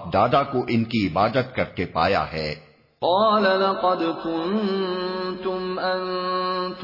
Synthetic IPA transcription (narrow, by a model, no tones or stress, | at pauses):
p̚d̪aːd̪akoʔɪnkiɪbaːd̪ət̪kɐɾkepa̰ːja̰ɦɛː | qɑːlalɑqɑd̪kʊn | t̪ʊmʔant̪